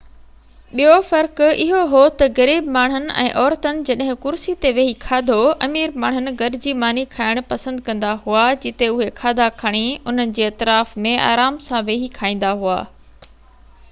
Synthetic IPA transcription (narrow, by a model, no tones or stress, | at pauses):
ɓijofɐɾkɪɦoɦot̪ɐɣɐɾiːbmaːɳ̤ʊnɪ̆ʔɛ̰̃ːʔɔːɾt̪ənɪ̆d͡ʑɐɗɦɪ̃kʊɾsit̪eʋeːɦikʰaːd̪ʱoɐmiːɾmaːɳ̤̃ʊnɪ̆ɡɐɾɪd͡ʑimaːnikʰaːɪɽ̃pɐsə̃nd̪kɐ̃nd̪aɦuad͡ʑɪt̪eʊɦekʰaːd̪ʱakʰɐɽ̃iʊn̤ənɪ̆d͡ʑeːɐt̪ɪɾaːfmẽa̰ːɾaːmsãʋeːɦikʰaːĩːn̆d̪aɦua̰ː